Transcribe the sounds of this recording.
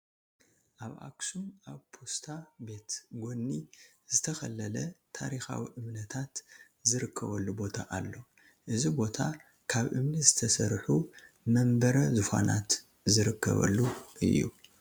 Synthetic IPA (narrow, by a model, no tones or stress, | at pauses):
ʔaβʔa̰ksunʔaβpʰost̪ʰabe̞t̪ɡo̞nːizɨt̪ʰɐxɐlːɐlɐt̪ʰaɾixa̰wiʔɨmnɐt̪ʰat̪ | zɨɾɨkʰːɐβɐlːubo̞t̪ʰa̰ʔalːo̞ | ʔɨzibo̞t̪ʰa | kʰaβʔɨmnizɨt̪ʰɐsɐɾħu | mɐmbɐɾɐzufa̰nat̪ | zɨɾɨkːɐ̰βɐ̰lːuʔɨ̰jːṵ